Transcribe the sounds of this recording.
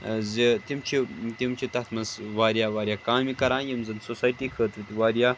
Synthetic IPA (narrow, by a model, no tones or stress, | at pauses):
zit̪imt͡ʃʰit̪imt͡ʃʰit̪ɐt̪ʰmɐzʋaːɾjaːʋaːɾʲjaːkaːmikɐɾãːnjɐmzɨnsosaːjʈiːkʰəːt̪ɾit̪ʲiʋaːɾjaː